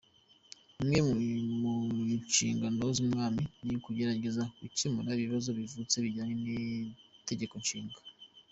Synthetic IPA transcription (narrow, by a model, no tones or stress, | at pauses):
imŋe̞muʃiːŋɡanozumŋaːminikuɟe̞ɾaɟe̞zakucimunaβiβazo̞βivut͡seβiɟaːɲenite̞ɟe̞ko̞nʃiːŋɡa